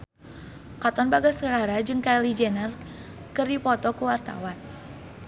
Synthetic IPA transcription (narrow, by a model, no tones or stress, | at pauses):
kat̪ɔnbaɡasəɦaɾad͡ʒɨŋkalid͡ʒɛnər | kɨrdipɔt̪ɔkuwart̪a̰wan